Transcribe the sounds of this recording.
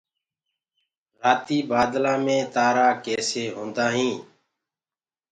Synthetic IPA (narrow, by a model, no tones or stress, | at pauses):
ɾaːt̪iːbaːd̪lãːmẽːt̪aːɾaːkɛːseːɦõːnd̪aːɦĩː